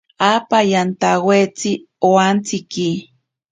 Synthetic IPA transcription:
apajant̪awet͡si | oant͡siki

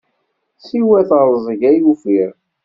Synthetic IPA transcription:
siwæθəɾˤzˤəʝæjufiɾ

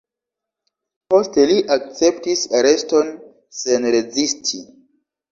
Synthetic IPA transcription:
po̞ste̞liʔak̚t͡se̞ptisaɾe̞sto̞n | se̞nɾezistʰi

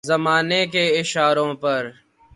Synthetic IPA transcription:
zəmaːnek̬eɪʃaːɾõːpɐɾ

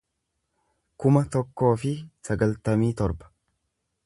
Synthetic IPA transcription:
kʊmɐt̪ɔkːo̞ːfɪsɐɡɐlt̪ɐmiːt̪ɔɾbɐ̥

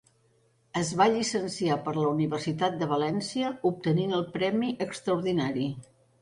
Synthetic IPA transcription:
əzβaʎisənsiapəɾləuniβərsit̪at̪̚d̪əβ̞əlɛnsiəup̚t̪əninəlˠpɾɛmiʔəkst̪ɾəuɾðinaɾi

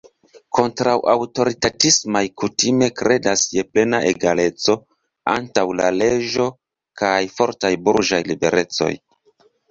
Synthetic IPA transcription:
kʰo̞ntɾawʔawto̞ɾitatismajkutime̞kɾʔe̞dasjeple̞naʔe̞ɡale̞t͡so̞ | a̰ntawla̰le̞d͡ʒo̞ | kajfo̞ɾtajbuɾd͡ʒajlibe̞̰ɾʔe̞t͡so̞̰j

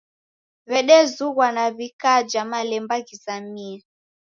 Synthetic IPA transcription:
βɛɗɛzuɣwanaβikad͡ʒamalɛmbakisamia

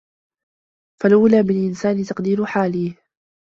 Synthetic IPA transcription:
falʔuːlaːmɪlʔɪnsaːnɪt̪ɑqd̪iːɾʊħaːliː

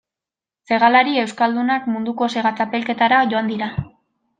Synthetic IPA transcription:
se̞ɣalaɾie̞wskald̪unakmund̪uko̞se̞ɣat͡sape̞lke̞t̪aɾaʝo̞and̪iɾa

